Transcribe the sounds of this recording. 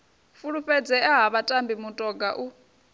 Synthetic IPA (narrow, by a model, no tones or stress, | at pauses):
fuɺuɸɛd͡zɛaɦaβatʼambimutʼɔɡaʔu